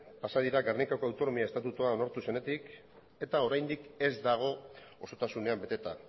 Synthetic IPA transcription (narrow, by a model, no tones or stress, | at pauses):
pasað̞iɾaɡarnikako̞awt̪o̞no̞miaest̪at̪ut̪uao̞naɾt̪use̞ne̞t̪ik | e̞t̪ao̞ɾajnd̪ike̞zd̪aɣ̞o̞oso̞t̪asune̞ambe̞t̪e̞t̪a